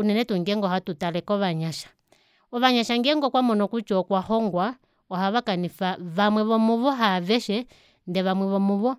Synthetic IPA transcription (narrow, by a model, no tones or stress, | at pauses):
unɛnɛtuŋɡɛŋɡɔhatutalɛkɔʋaɲaʃḁ | ɔʋaɲaʃaŋɡɛŋɡɔkwamɔnɔkut͡ʃɔkwahɔŋɡwa | ɔhaʋakanifaʋamwɛʋɔmuʋɔɦaʋɛʃɛ | ndɛʋamwɛʋɔmuʋɔ